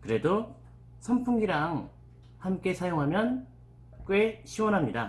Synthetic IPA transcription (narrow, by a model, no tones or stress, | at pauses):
kɯɾe̞do | sʰʌmpʰuŋɡiɾaŋ | hamk͈e̞sʰajoŋɦamjʌn | k͈weɕʰiwʌnɦamɲida